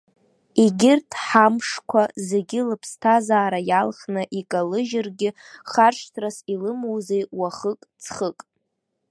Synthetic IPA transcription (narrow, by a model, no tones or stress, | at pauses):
iɡʲɪrtʰħamʂkʷʰazeɡʲɪlɨpʰstʰazaːɾajalχnɨʔikʼalɨʒɪrɡʲɪ | χarʂʷʰtʰrasilɨmowzejwaχəkʼt͡sʰχəkʼ